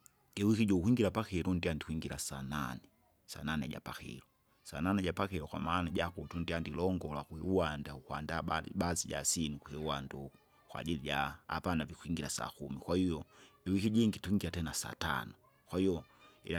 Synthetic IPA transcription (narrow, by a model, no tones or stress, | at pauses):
ɛwikiɟɔukuiŋɡilapakɛlundiandikwiŋɡilasananɛ | sa̰nanɛɟa̰pakḭlu | sa̰nanɛɟapakɛlɔkwa̰manaɟakutundiandilɔŋɡɔlwakuiuwandaukwandabaziɟa̰sinukuhɛuwandu | kwa̰ʄiliɟa̰ːpanavikuiŋɡilasa̰kumikwahijɔiwikiɟiŋɡituiŋɡilatɛnasa̰ta̰nɔ | kwahijɔḭa